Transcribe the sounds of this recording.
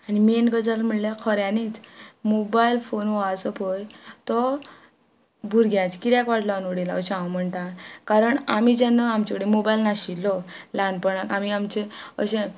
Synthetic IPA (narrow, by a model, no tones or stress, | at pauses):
animenɡəd͡zalm̤əɽlakʰɔɾjãnit͡smobailfonʋɔat͡səpojt̪ɔ | bʱuɾɡʱjãt͡skiɾjãkʋaʈlaanoɽila̰əɕãwm̤əɳt̪ãkaɾəɳamid͡ʑanːəamt͡ɕakəɽemobailnaɕilːɔlanpəɳakamiamt͡ɕeə̰ɕẽ